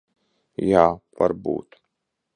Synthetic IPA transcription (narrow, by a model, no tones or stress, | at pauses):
jaːva̰ɾbṵːt̪